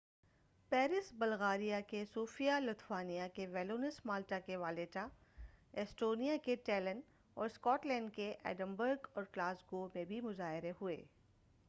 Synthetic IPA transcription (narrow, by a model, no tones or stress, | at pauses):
pɛːɾɪsbɐlɣaːɾijakesuːfijalʊt̪faːnijakeʋɛːloːnɪsmaːlʈakeʋaːleːʈa | ɛsʈoːnijakeʈɛːlən | ɔːɾskɔːʈlɛ̃ːɳɖkeʔɛ̰ːɖə̃mbəɾɡɔːɾklaːzɡoːmẽbʱimʊzaːɦɪɾeɦʊḛː